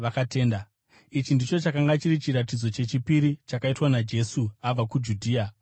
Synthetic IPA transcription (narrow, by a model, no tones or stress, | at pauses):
ʋakate̞ːnda | it͡ʃindit͡ʃo̞t͡ʃakaŋɡat͡ʃiɾit͡ʃirat̬id͡zo̞t͡ʃe̞t͡ʃipiɾit͡ʃakaitwanad͡ʒe̞suab͡vakud͡ʒudʱiːa